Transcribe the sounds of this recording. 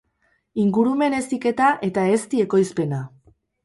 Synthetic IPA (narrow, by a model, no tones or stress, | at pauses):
iŋɡuɾume̞ne̞sike̞t̪aʔe̞t̪ae̞st̪ie̞ko̞jspe̞na